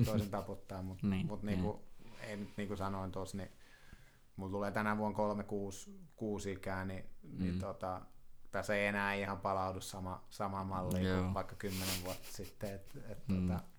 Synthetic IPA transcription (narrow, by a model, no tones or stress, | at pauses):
t̪oˑisent̪ɑput̪ːɑːmmut̪mut̪niːŋkuḛˑinyt̪niːŋkusɑnoint̪osni | mult̪uleːt̪ænæʋuoŋkolmekuːskuːsiːkæːninit̪ot̪ɑt̪æsːeienæːihɑmpɑlɑudussɑmɑsɑmɑmɑlːiːkuʋɑikːɑkymːeneʋʋuɑt̪ːɑ̥sit̪ːeet̪et̪t̪ot̪ɑ